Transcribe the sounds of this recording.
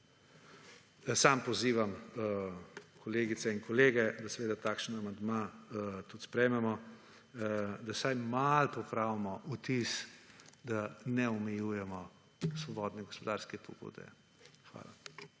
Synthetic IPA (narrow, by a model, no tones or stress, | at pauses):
sampɔziːʋam | kʰɔleːɡit̪sɛinkɔleːɡɛd̪asɛʋeːd̪at̪aːkʃnamand̪mat̪ut̪spɾɛjmɛmɔ | d̪asajmalpɔpɾawmɔut̪isd̪anɛɔmɛjujɛmɔ | sʋɔbɔːd̪nɛɡɔspɔd̪aɾskɛpɔ̰ɡṵːd̪ɛ̰ | xʋa̰ːla